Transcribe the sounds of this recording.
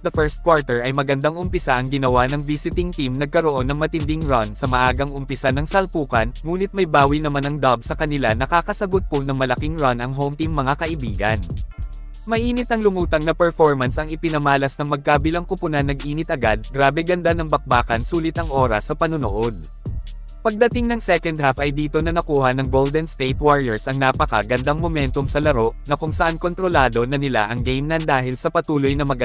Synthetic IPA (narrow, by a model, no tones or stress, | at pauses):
d̪ɐfɛɹst̪̚kwaɹt̪ɛɹʔɐjmɐɡɐnd̪aŋʔʊmpɪsaʔɐŋɡɪnɐwanɐŋviːsɪt̪ɪŋt̪imnɐɡ̚kɐɾoʔo̞nːɐŋmɐt̪ɪnd̪ɪŋɹansɐmɐʔaːɡɐŋʊmpɪsanɐŋsɐlpuːkɐnŋuːnɪt̪̚mɐjbaːwinɐmanɐŋd̪ɐbsɐkɐnɪlanɐkaːkɐsɐɡʊt̪̚pʊnɐŋmɐlɐkiŋɹɐnɐŋɦomt̪iŋmɐŋakɐʔɪbiːɡɐ̰n | mɐʔiːnɪt̪ɐŋlʊmuːt̪ɐŋnɐpɛɹfo̞ɹmɐnsʔɐŋɪpɪnɐmaːlɐsnɐŋmɐɡ̚kabɪlɐŋkʊpʊnɐnːɐɡʔiːnɪt̪ʔɐɡad̪̚ɡɾaːbɛɡɐnd̪anɐŋbɐk̚baːkɐnsuːlɪt̪ɐŋʔo̞ːɾɐsːɐpɐnʊnʊʔod̪̚ | pɐɡ̚d̪ɐt̪ɪŋnɐŋsɛkɐnd̪hafʔɐjd̪iːt̪o̞nɐnɐkuːhɐnɐŋɡold̪ɛnst̪ejt̪waɹiɛɹsʔɐŋnapɐkɐ̰ɡɐnd̪aŋmomɛnt̪o̞ŋsɐlɐɾo̞ʔnɐkʊŋsɐʔanko̞nt̪ɾo̞laːd̪o̞nɐnɪla̰ʔɐŋɡejmnɐnd̪aːhɪlsɐpɐt̪uːlojnɐmɐɡ